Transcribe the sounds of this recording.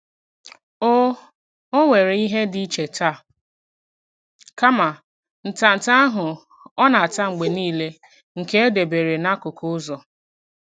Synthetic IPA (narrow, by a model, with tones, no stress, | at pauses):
o˦ | o˦ŋʷe˨ɾe˨˦i˦ɦe˦di˦t͡ʃe˨ta˦˨ | ka˦ma˨ | n̩˨ta˨n̩˨ta˦a˦ɦʊ˨ | ɔ˦na˨ta˦ŋ͡m̩˨ɡ͡be˨niː˦le˦ | ŋ̩˨ke˦e˦de˨be˨ɾe˨na˦kʊ˨kʰʊ˦zɔ˨